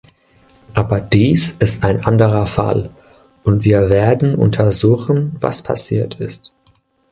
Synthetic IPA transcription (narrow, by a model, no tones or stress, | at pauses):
ʔaːbɐdiːsɪstaɪnʔandəʁɐfa̰l | ʔʊntv̥iːɐveːɐdn̩ʔʊ̰ntʰɐzuːxn̩va̰spʰa̰siːɐtʰɪst